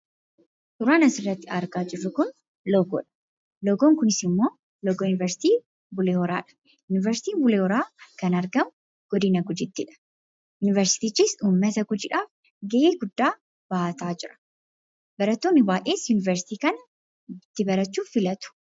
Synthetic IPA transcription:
ʔʊɾaːnɐsɪrːɐt̪ːɪɐɾɡaːd͡ʒɪrːʊkʊn | lɔɡɔ̰ːᶑɐ̥ | lɔɡoːŋkʊnɪsɪmːo̞ː | lɔɡoːjʊnɪvɛɾsɪ̥t̪iː | bʊleːhɔɾa̰ːᶑɐ̥ | jʊnɪvɛɾsɪ̥t̪iːbʊleːhɔɾaːkɐnɐɾɡɐmʊ | ɡ̥ɔd̪ɪnɐɡʊd͡ʒɪt̪ːɪᶑɐ̥ | jʊnɪvɛɾsɪ̥t̪iːt͡ʃːiːsuːmːɐt̪ɐɡʊd͡ʒɪᶑaːf | ɡɛʔeːɡʊd̪ːaː | b̥aːɐt̪aːd͡ʒɪɾɐ̥ | bɐɾɐt̪ːoːnːɪbaːʔeːsjʊnɪvɛɾsɪ̥t̪iːkɐnɐ | t̪ːɪbɐɾɐt͡ʃːuːfɪlɐt̪ʊ̥

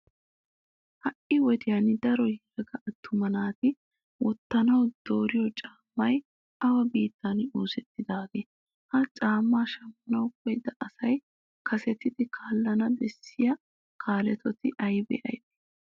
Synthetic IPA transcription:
hɐʔɪwɔd̪ɪjɐnɪd̪ɐɾɔjɛɐɡɐʔːt̪ːʊmɐnaːt̪ɪ | wɔt̪ːɐnɐwd̪̥o̞ːɾɪjɔt͡ʃʼaːmːɐj | ɐwɐbiːt̪ːanoːsɛt̪ːɪd̪aːɡeː | hɐt͡ʃʼaːmːaːʃɐmpːɐnɐwkɔjd̪ɐʔɐsɐj | kʰɐsɛt̪ɪd̪ɪkʰaːlːɐnɐd̪ɛsːɪjɐ | kʰaːlɛt̪ɔt̪ɪʔɐjbɛ̰ʔɐ̰jd̪ɛ̥

